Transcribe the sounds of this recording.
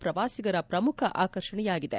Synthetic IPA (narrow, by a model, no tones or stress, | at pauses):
pɾɐʋaːsiɡɐɾɐpɾɐmukʰɐʔaːkɐɾʂɐɳɛjaːɡid̪ḛ